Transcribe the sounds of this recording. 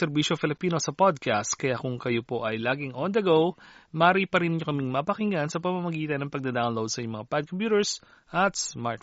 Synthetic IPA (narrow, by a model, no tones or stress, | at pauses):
ɛɾbiːʃofɪlɪpiːno̞sɐpod̪̚kast̪kɐjakʊŋkɐjopo̞ʔɐjlaːɡɪŋʔɔnd̪ɐɡowmaːɾipɐɾɪnɪɲokɐmɪŋmɐpɐkɪŋansɐpɐmɐmɐɡiːt̪ɐnːɐŋpɐɡ̚d̪ɐd̪awnlowd̪sɐjʊmɐŋapad̪̚kompjuːt̪ɛɹs | ʔɐt̪sma̰t̪